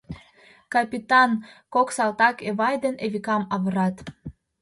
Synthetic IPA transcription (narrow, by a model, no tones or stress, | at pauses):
kɑpʲit̪ɑnkoksɑlt̪ɑkeβɑjd̪eneβikɑmɑβə̆ɾɑt̪